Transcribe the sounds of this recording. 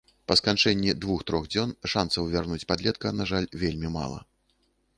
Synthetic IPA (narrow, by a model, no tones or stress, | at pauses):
pɐskant͡ʂɛnʲːid̪vuxt̪ɾɔɣd͡zʲɔnʂansɐwvʲarnut͡sʲpad̪lʲɛt̪̚kɐnaʐalʲvʲelʲmʲima̰lˠɐ̰